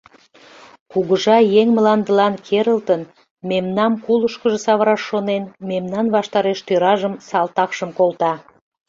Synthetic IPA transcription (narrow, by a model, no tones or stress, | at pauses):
kuɣəʒɑjeŋməlɑnd̪əlɑnkʰeɾəlt̪ən | memnɑmkuləʃkəʒəsɑβəɾɑʃːonenmemnɑnβɑʃt̪ɑɾeʃt̪øɾɑʒəmsɑlt̪ɑkʃəmkolt̪ɑ